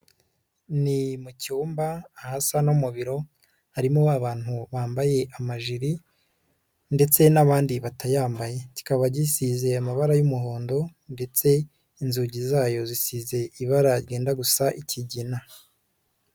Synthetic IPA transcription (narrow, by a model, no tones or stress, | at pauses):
nimucuːmbaːhasanomuβiɾo̞ | haɾimoaβaːn̥huβaːmbaje̞ʔamaʒiɾi | nde̞t͡se̞naβaːndiβatʰajaːmbaje̞ci̥kaβaɟisize̞amaβaɾajumuɦo̞ːndo̞nde̞t͡se̞ | inzuɟizaːjo̞zisize̞iβaɾaɾɟe̞ːndaɡusaʔiciɟina